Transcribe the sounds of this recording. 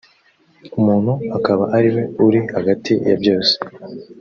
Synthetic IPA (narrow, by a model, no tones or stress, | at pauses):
umuːn̥huakaβaʔaɾiwe̞uɾihaɡatijabjo̞ːse̥